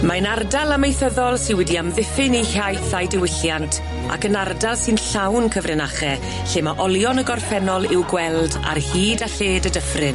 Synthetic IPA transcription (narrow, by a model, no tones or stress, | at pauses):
manardalˠamejθəðɔlˠsɨnwɛdiamðɪfɪnihjajθajdɪwɪɬjantʰ | a̰kənardalˠsɨnɬawnkʰəvrɪnaχɛ | ɬeːmaʔɔlˠjɔnəɡɔrfɛnɔlˠɪwɡwɛlˠda̰rhiːdaɬeːdədəfrɨn